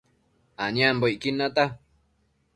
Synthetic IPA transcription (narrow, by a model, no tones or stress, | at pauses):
aɲãmboikinãt̪a